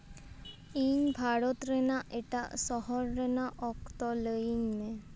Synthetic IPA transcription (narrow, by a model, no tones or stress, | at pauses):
iɲbʱaɽɔt̪ɾɛnaʔeʈa̰ʔsɔɦɔɾːɛnaʔɔkt̪ɔləiɲːe